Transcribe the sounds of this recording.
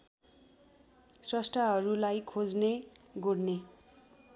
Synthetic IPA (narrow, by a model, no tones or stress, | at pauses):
srʌsʈaɦʌɾulajkʰod͡zneɡorne